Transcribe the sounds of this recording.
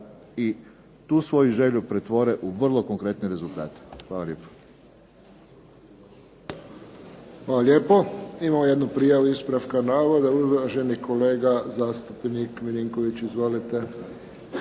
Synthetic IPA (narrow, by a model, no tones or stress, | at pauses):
i | t̪uːsʋo̞juʒe̞ʎupɾet̪ʋo̞ɾeʔuʋr̩lˠo̞koŋkɾe̞t̪neɾe̞zulˠt̪a̰ːt̪e̥xʋaːlalʲjeːpo̥ | ʋalalʲjeːpoimamojed̪nupɾijaʋuispɾafkanaːʋod̪auzʒenikoleːɡazaːst̪upnikminiŋkoʋit͡ɕizʋolit̪e